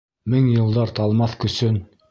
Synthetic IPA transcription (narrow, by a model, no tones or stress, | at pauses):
mɘŋjɤ̆lˠd̪ɑɾt̪ɑlˠmɑθkɵ̆sɵn